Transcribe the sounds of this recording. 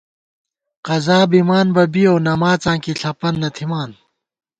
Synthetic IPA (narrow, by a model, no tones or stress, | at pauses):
qɐzaːbimaːnbɐbiownɐmaːt͡sãːŋkiɬʰɐpɐnːɐt̪ʰimaːn